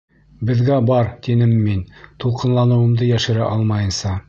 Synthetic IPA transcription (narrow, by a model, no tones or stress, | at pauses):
bɘ̆ðɡæbɑɾt̪inɘmːint̪ulˠqɤ̆nlˠɑnɤ̆wɤ̆md̪ɤjæʃɘ̆ɾæ̰ʔɑlˠmɑjɤ̆nsɑ